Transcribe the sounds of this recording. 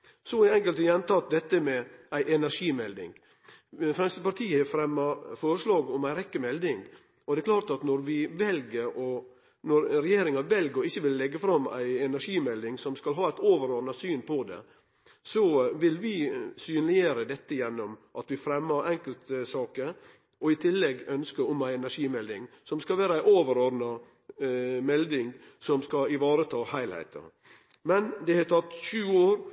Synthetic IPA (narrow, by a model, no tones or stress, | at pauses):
sɔæɛŋkəlt̪jɛnt̪ɑt̪̚d̪ɛt̪ːəmɛʔæɪʔɛnæʂiːmɛld̪ɪ̰ŋ | fɾɛmsəpɑɾt̪ʰiːəəfɾɛmːɑfɔɾəʂlɑːɡɔmæɪɾɛkːəmɛld̪ɪŋɡ | ʔɔd̪ɛklɑːɾt̪ɑt̪nɔɾʋɪʋɛlɡəɾɔ | nɔɾɾɛjeːɾɪŋɑnʋɛlɡəɾɔɪçːəʋɪlːɛɡːəfɾɑmæ̰ɪɛnæʂiːmɛld̪ɪŋsɔmskɑlɦɑːæɪt̪oːʋəɾoːɾnɑsyːnpʰɔd̪ɛ̰ | sɔʋɪlʋɪsyːnlɪəɾəd̪ɛt̪ːəjɛnːɔmʔɑt̪ʋɪfɾɛmːəɾʔɛŋkəlt̪sɑːkə | ʔɔɪt̪ʰɪlːɛɡœnskəɔmæɪɛnæʂiːmɛld̪ɪŋ | sɔmskɑlʋæːɾəæɪʔoːʋəɾɔɾd̪nɑ | mɛld̪ɪŋ | sɔmskɑɪʋɑːɾət̪ʰɑːhæɪlhæ̰ɪt̪ʰɑ̰ | mɛnd̪ɛhɑt̪ʰɑt̪ːʃʉːoːɾ